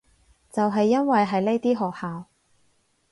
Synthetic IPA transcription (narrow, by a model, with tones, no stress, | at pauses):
t͡sɐ˨wɦɐ˨jːɐ˥nwɐ˨jɦɐ˨jle˥jt̪iː˥ɦɔː˨k̚haː˨w